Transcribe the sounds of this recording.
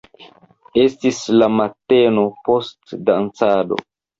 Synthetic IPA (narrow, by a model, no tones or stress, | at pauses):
e̞stislamate̞no̞po̞stdant͡sado̞̰